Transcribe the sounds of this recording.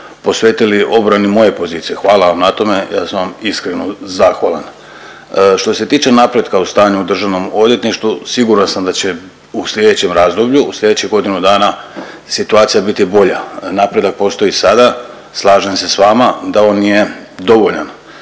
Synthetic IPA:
po̞sʋe̞ːt̪iliʔo̞bɾanimo̞je̞po̞ziːt̪sijexʋaːlaʋamnat̪o̞me̞ja̰ːsaamiskɾe̞nozaxʋaːla̰n | ʃt̪o̞se̞t̪iːt͡ʃe̞napɾe̞d̪kaust̪aːɲuud̪r̩ʒaʋno̞mo̞d̪je̞t̪niʃt̪vusiɡuɾansamd̪at͡ɕe̞ | uslʎʲe̞d̪et͡ɕe̞mɾaːzd̪o̞bʎuuslʎʲe̞d̪e̞t͡ɕiɡo̞d̪inud̪aːna | sit̪uaːt̪sijabit̪ibo̞ʎanapɾe̞d̪ak̚po̞st̪o̞isad̪a | slˠaːʒemse̞sʋaːmad̪ao̞nːije̞d̪o̞ʋo̞ʎan

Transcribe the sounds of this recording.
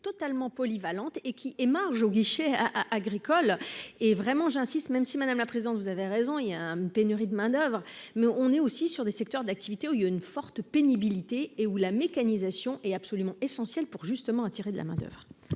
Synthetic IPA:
t̪ɔt̪almɑ̃pɔlivalɑ̃t̪ekʲiʔemaʁʒoɡʲiʃeaʔaɡʁikʰɔlevʁɛmɑ̃ʒɛ̃sist̪mɛmsimad̪amlapχezid̪ɑ̃t̪vuzaveʁezɔ̃iljãynpenyʁid̪əmɛ̃d̪œvʁmɛɔ̃nɛosisyʁd̪esɛk̚t̪œʁd̪ak̚t̪ivit̪euiaynfɔʁt̪penibilit̪eːulamekanizasjɔ̃ʔɛt̪apsɔlymɑ̃esɑ̃sjɛlpuʁʒyst̪əmɑ̃at̪iʁed̪əla̰mɛ̃d̪œ̰vʁ

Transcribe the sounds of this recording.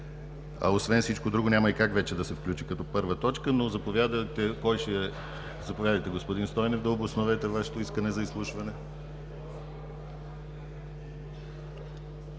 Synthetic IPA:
ɐ̰osvɛnsit͡ʃkod̪ɾuɡonʲamɐikakvɛt͡ʃɛd̪ɐsɛfklʲut͡ʃikɐt̪ɔpɤɾvət̪ɔt͡ʃkənozɐpovʲjad̪t̪ɛkɔjʃɛ | zɐpovʲjad̪ɐjt̪ɛɡospod̪inst̪ɔjnɛvd̪ɐobosnovɛt̪ɛvaʃɛ̥t̪oiskənɛzɐislˠuʃvɐnɛ

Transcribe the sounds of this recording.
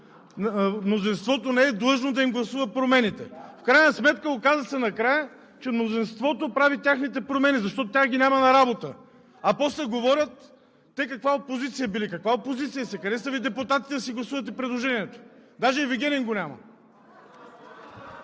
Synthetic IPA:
mnozinst̪vɔt̪onɛɛd̪lˠɤʒnod̪ɐimɡlˠɐsuvəpɾomɛnit̪ɛ̰fkɾajnɐsmɛt̪kəokazəsɛnɐkɾajə | t͡ʃɛmnozinst̪vɔt̪opɾavit̪ʲaxnit̪ɛpɾomɛnizɐʃt̪ɔt̪ot̪ʲjaɡʲinʲamɐnɐɾabot̪ə | ɐpɔslɛɡovɔɾʲət̪ː | ɛkɐkvaopozit̪sijɐbilikɐkvaopozit̪sijəsɛkɐd̪ɛsɐvid̪ɛput̪at̪it̪ɛd̪ɐsiɡlˠɐsuvɐt̪̬ɛpɾɛd̪lˠoʒɛniɛt̪o̥d̪aʒɛviɡʲɛniŋɡonʲamə̰

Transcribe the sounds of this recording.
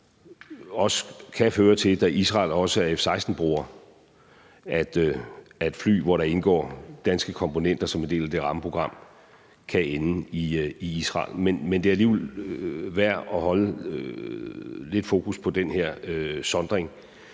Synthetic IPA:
ɒ̽sə̥kʰæføːɐt͡sʰe̝d̥æʔisʁɑ̰̈ːlɒ̽səæɐefsɑ̈ɪsd̥n̩b̥ʁuːɐ | ʔæd̥æd̥fly̰ːʋɒɾɑ̈e̝nɡ̥ɒ̰ːd̥ænsɡ̥əkʰɒ̽mpʰo̝nen̰d̥ɐsɒ̽me̝nd̥e̝̰ːlæd̥e̝ʁɑ̈məpʰʁo̝ɡ̥ʁɑ̈m̰ | kʰæeniiisʁɑ̰̈ːlmenmend̥e̝æɐæliːʋelʋæɐ̰ɒ̽ɦɒ̽ləø | le̝d̥fo̝ːkʰuspʰɒ̽d̥enheɐ̰øsɒ̽nd̥ʁeŋ

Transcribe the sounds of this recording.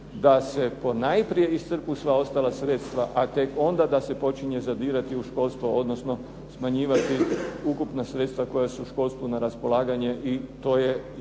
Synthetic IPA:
d̪ase̞po̞najpɾije̞ist̪sr̩pusʋao̞st̪alasɾet̪st̪ʋaʔat̪e̞ko̞nd̪ad̪ase̞po̞t͡ʃiɲezad̪iːɾat̪iuʃko̞lˠst̪ʋuo̞d̪nosno̞ | smaɲiːʋat̪iukupnasɾe̞t̪st̪ʋako̞jasuuʃko̞lˠst̪ʋunaɾaspo̞lˠaːɡaɲeʔit̪o̞ːje

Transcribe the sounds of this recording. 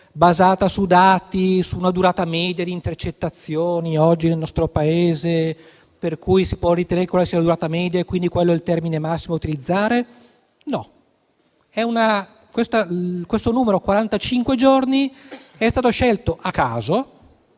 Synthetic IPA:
bazaːt̪asud̪aːt̪isuːnad̪uɾaːt̪amɛːd̪jad̪int̪ert͡ʃet̪ːat̪sːjoːniɔd͡ʒːinelnɔst̪ɾopaeːze | perkujsipwɔrit̪eneɾekwelasianad̪uɾaːt̪amɛːd̪jaekːwind̪ikwelːoɛlt̪ɛrminemasːimout̪ilid̪zːaːɾe | nɔ | ɛuna | kwest̪akwest̪onuːmeɾokwaɾant̪at͡ʃiŋkwed͡ʒorniɛst̪aːt̪oʃɛlt̪oʔakːaːzo

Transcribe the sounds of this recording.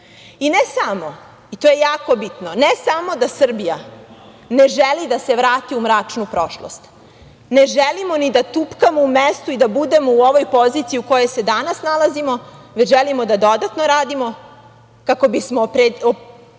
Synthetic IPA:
inesamo̞ | it̪oːje̞jaːko̞bit̪nonesamo̞d̪asr̩bija | ne̞ʒelid̪ase̞ʋɾaːt̪iumɾaːt͡ʂnupɾo̞ʃlo̰st̪ | ne̞ʒelimo̞nid̪at̪upkamoumest̪uid̪abud̪e̞mouo̞ʋo̞jpo̞zit̪sijiuko̞je̞jse̞d̪anasnalazimo̞ʋet͡ɕʒelimod̪ad̪o̞d̪at̪no̞ɾaːd̪imo̞ | kako̞bismopɾeo

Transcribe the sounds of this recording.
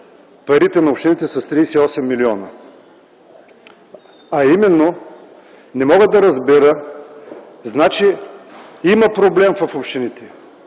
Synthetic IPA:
pɐɾit̪ɛnɐopʃt̪init̪ɛsɐst̪ɾisiɔsɛmːiliɔnə | ɐimɛnːo | nɛmɔɡəd̪ɐɾɐzbiɾə | znat͡ʃi | imɐpɾoblɛmvɐfopʃt̪init̪ɛ

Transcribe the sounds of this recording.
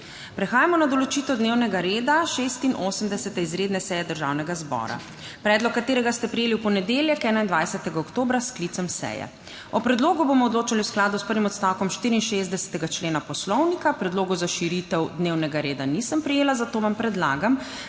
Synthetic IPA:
pɾɛxaːjamɔnad̪ɔlɔt͡ʃiːt̪ɛwd̪neːwnɛɡaɾeːd̪aʃest̪inʔosəmd̪ɛsɛt̪ɛizɾeːd̪nɛsɛːjɛd̪əɾʒa̰wnɛɡazbɔ̰ːɾa̰ | pɾɛːd̪lɔkːat̪eːɾɛɡast̪ɛpɾijeːliwpɔnɛd̪eːljɛkɛːnaind̪ʋajsɛt̪ɛɡaɔkt̪oːbɾasklit̪sɔmsɛ̰jɛ̰ | ɔpɾɛd̪loːɡubomɔd̪loːt͡ʃaliwsklaːd̪uspəɾʋimɔt̪st̪awkɔmʃt̪iːɾiinʃezd̪ɛsɛ̥t̪ɛɡat͡ʃleːnapɔslɔwnikapɾɛd̪loːɡuzaʃiɾit̪ɛwd̪neːwnɛɡaɾeːd̪anisəmpɾijeːlazat̪oːʋampɾɛd̪la̰ːɡam

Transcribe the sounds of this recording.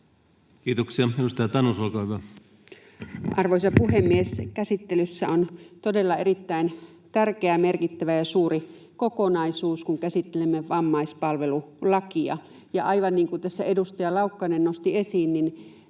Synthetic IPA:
kiːt̪oksiɑedust̪ɑjɑt̪ɑnusolkɑːhyʋæ | ʔɑrʋoisɑpuhemːieskæsit̪ːelysːæont̪odelːɑerit̪ːæin | t̪ærkeæmerkit̪ːæʋæjɑsuːri | kokonɑisuːskuŋkæsit̪ːelemːeʋɑmːɑispɑlʋelulɑkiɑ̰ | jɑ̰ʔɑiʋɑnniːŋkut̪æsːæedust̪ɑjɑlɑukːɑinennost̪iesiːnnin

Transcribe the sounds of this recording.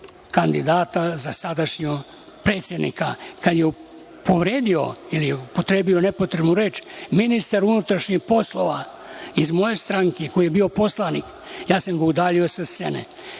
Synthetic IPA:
kand̪id̪aːt̪azasad̪aʃɲo | pɾe̞ːt̪sʲjed̪nḭkakad̪jeu | pʰo̞ʋɾeːd̪io̞̰ilijeupo̞t̪ɾe̞ːbio̞ne̞po̞t̪ɾe̞bnuɾe̞ːt͡ʃminist̪aɾunut̪ɾaʃɲixpo̞slˠo̞ʋa | izmo̞je̞st̪ɾaŋkeko̞jijebiːo̞po̞slˠanik | jaːsamɡaud̪aːʎiosast̪sḛnḛ

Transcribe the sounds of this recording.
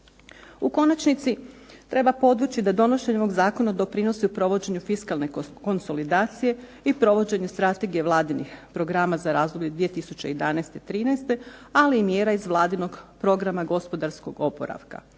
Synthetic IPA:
uko̞nat͡ɕnit̪sit̪ɾe̞bapo̞d̪ʋut͡ɕid̪ad̪o̞no̞ʃeɲoʋo̞ɡzaːko̞nad̪o̞pɾino̞siupɾo̞ʋo̞d͡ʑe̞ɲufiskalˠne̞ko̞nso̞lid̪aːt̪sije̞ | ipɾo̞ʋo̞d͡ʑe̞ɲust̪ɾat̪e̞ɡije̞ʋlˠaːd̪inixpɾo̞ɡɾamazaɾaːzoblʎed̪ʋie̞t̪isut͡ɕe̞jed̪anast̪et̪ɾiːnɛst̪e̞aliːmje̞ːɾaizʋlˠaːd̪ino̞ɡpɾo̞ɡɾamaɡo̞spo̞d̪aɾsko̞ɡo̞po̞̰ɾa̰ʋka̰

